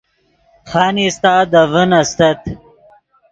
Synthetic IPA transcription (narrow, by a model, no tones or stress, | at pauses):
χaːnist̪aːd̪əvənɐst̪ɐt̪